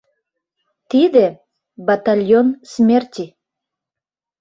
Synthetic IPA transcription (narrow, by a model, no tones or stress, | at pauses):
t̪id̪e | bat̪alʲjonsmʲert̪ʲi